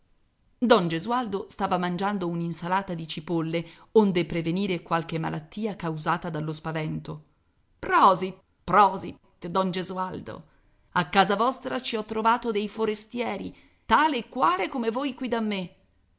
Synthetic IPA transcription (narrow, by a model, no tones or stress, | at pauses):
d̪ɔnd͡ʒezuald̪ost̪aːvamand͡ʒand̪ouninsalaːt̪ad̪it͡ʃipolːeond̪epɾeveniːɾekwalk̟emːa̰lʔat̪ːiːakawzaːt̪ad̪alːospavɛnt̪o | pɾɔːzit̪ | pɾɔːzit̪ | d̪ɔnd͡ʒezuald̪o̰ | akːaːzavɔst̪ɾat͡ʃiɔt̪ːɾovaːt̪od̪ejfoɾest̪jɛːɾi | t̪aːleːkːwaːlekomevoːjkwid̪amːe